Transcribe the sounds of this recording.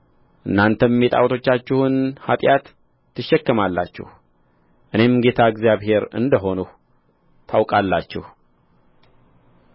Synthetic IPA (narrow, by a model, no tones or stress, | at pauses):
ʔɨnːant̪ʰəmmːet̪ʼa̰wt̪ʰo̞t͡ʃːat͡ʃːɪhʊnhat̪ʼjat̪ː | ɨʃːɛkːəmalːa̰t͡ʃːɪ̰h | ʔɨne̞mɡe̞t̪ʰaɨɡzjaβhe̞ɾɨ̰nd̪əɦo̞nu | t̪ʰawkʼalːat͡ʃːɪ̰h